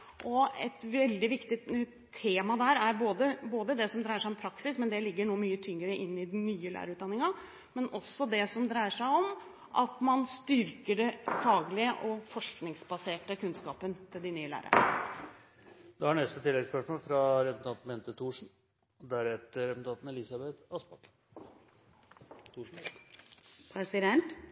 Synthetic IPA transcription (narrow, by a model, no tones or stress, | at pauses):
ʔɔɛt̪ʋɛld̪ɪʋɪkt̪ɪ | t̪ʰːeːmɑd̪æɾæɾboːd̪əboːd̪əd̪ɛsɔmd̪ɾæɪəʂæɪɔmpʰɾɑksɪsmɛnd̪ɛlɪɡːəɳuːmyːət̪ʰʏŋːəɾəʔɪnːɪnyːəlæ̰ːɾəʉt̪̚d̪ɑnːɪŋɑ | mɛnɔsːɔd̪ɛsɔmd̪ɾæɪəʂæɪɔm | ʔɑ̰t̪mɑnst̪ʏɾkəɖɛfɑːɡlɪəʔɔfɔʂknɪŋsbɑseːʈəkʉnskɑːpənt̪ʰɪld̪ɪnyːəlæ̰ːɾə̰ɾə̰ | d̪̥ɛhɑɳɛst̪ət̪ʰɪlːɛɡspœʂmoːlfɾɑɾɛpn̩t̪ʰɑnt̪mpɛnt̪ət̪ʰuːʂn̩ | d̪æɾɛt̪əɾɛpnt̪ɑːt̪n̩ɛlɪsɑbɛt̪ɑspɑk | t̪ʰuːʂn̩ | pʰɾɛsɪd̪ɛnt̪